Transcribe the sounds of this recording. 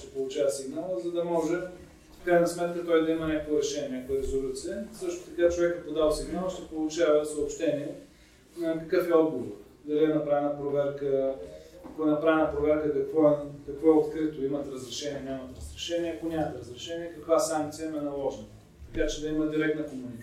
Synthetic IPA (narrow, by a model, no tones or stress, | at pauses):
ʃt̪ɛpolˠʊt͡ʃavɐsiɡnalˠəzɐd̪ɐmɔʒɛ | fkɾajnɐsmɛt̪̚kət̪ɔjd̪ɐimənʲakovəɾɛʃɛnʲɛakojəɾɛzolʲut̪sijəsɤʃt̪o̥t̪ɐkat͡ʃovɛkɛpod̪alˠsiɡnalˠʃt̪ɛpolˠʊt͡ʃavəsɐopʃt̪ɛniɛ | nɐkɐkɤfɛɔd̪ɡovo | d̪ɐliɛnɐpɾavɛnəpɾovɛɾkə | ɐkoɛnɐpɾavɛnɐpɾovɛɾkəkɐkvɔɛkɐkvɔot̪kɾɨt̪oimɐt̪ɾɐzɾɛʃɛniɛnʲamɐt̪ɾɐzɾɛʃɛniɛɐkonʲamɐt̪ɾəzɾɛʃɛniɛkɐkvasaŋkt̪sijəmɛnɐlˠɔʒnɐ | t̪ɐkat͡ʃɛd̪ɐiməd̪iɾɛk̚t̪nəkomunik